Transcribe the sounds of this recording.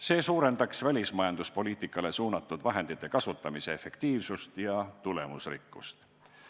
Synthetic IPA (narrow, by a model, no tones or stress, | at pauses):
se̞ːsuːɾe̞nd̪ɑksvælʲismɑjɑnd̪uspo̞lʲiːt̪ˑikːˑɑle̞suːnɑt̪ːˑud̪̥vɑɦe̞nd̪̥it̪ːˑe̞kɑsut̪ːˑɑmise̞efe̞kt̪iːvsust̪jɑt̪ule̞̰musrḭkːˑṵst̪